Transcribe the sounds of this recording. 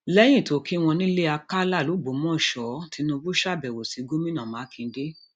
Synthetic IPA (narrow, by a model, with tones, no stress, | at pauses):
lɛ˦j̃ĩ˦˨to˨˦ki˦w̃ɔ̃˧nĩ˦le˦a˧ka˦la˦˨lu˨˦˨ɡ͡bo˨˦mɔ̃˦˨ʃɔ˨˦ti˧nũ˧bu˦ʃa˦˨bɛ˨wo˨si˨˦ɡo˦mĩ˦nã˦˨mãː˨˦kĩ˧˦de˦